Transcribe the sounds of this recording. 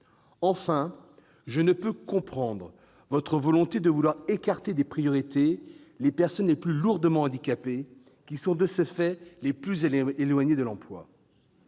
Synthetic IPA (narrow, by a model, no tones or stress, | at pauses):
ɑ̃fɛ̃ | ʒənəpøkɔ̃pχɑ̃d̪ʁə | vɔt̪χəvɔlɔ̃t̪ed̪əvulwaʁekaʁt̪ed̪epχijɔʁit̪e | lepɛʁsɔnleplyluʁd̪əmɑ̃ɑ̃d̪ikape | kʲisɔ̃d̪əsəfɛleplyzeelwaɲed̪əlɑ̃plwa̰